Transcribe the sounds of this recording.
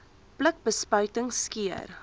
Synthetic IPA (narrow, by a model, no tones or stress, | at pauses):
plək̚bəspœɥtəŋskiə̰r